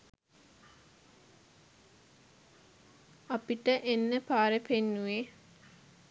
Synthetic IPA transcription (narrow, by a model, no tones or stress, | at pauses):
apiʈəʔenːəpaːɾepenːuʋe